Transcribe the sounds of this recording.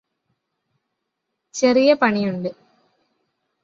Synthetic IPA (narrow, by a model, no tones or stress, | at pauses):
t͡ɕerijɐpɐɳijuɳɖɨ